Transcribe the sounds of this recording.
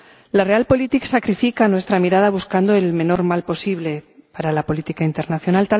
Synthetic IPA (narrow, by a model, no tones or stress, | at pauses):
lare̞alpo̞lit̪iksakɾifikanwe̞st̪ɾamiɾað̞aβuskand̪oelmẽ̞no̞ɾmalpo̞siβlepaɾalapo̞lit̪ikaint̪e̞ɾnaθjo̞nalt̪a